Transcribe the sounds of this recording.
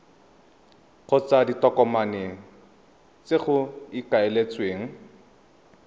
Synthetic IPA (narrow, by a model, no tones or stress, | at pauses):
χʊt͡saditɔkɔmaneŋ̩ | t͡seχʊikaelet͡sʼweːŋ̩